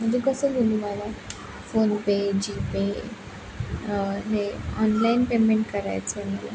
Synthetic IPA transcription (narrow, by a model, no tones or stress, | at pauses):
mənd͡ʑikəsəd̪ʱuliməla | fonped͡ʑipe | ɦeɔnlainpemeɳʈkəɾa̰jt͡seməla̰